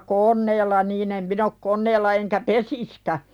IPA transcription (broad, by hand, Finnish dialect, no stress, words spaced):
konˑeːlːɑ niːn em min ok konˑeːlːɑ eŋkæ pesiskæ